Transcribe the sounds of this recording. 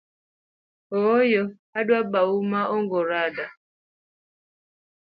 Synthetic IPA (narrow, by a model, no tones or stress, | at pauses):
ɔjɔ | adwabawumaoŋɡɔɾada